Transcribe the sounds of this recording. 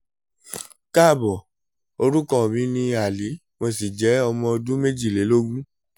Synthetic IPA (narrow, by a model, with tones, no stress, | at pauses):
ka˦˨bɔ˨ | o˧ɾu˦kɔ˦˨mĩ˨˦nĩ˧a˨li˨˦ | mɔ̃˧si˨d͡ʒɛ˨˦ɔ˧mɔ̃˧dũ˦me˦d͡ʒi˦˨le˨˦lo˦ɡũ˦